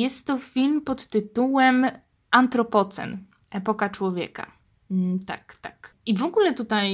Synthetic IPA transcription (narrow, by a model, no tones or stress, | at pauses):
jɛst̪ːɔfʲilmpɔt̪ːɘt̪uwɛm | ant̪ɾɔpɔt̪sɛ̰n | ʔɛpɔkat͡ʂwɔvʲjɛ̰ka̰ | t̪a̰kt̪akivɔɡulɛt̪ut̪aj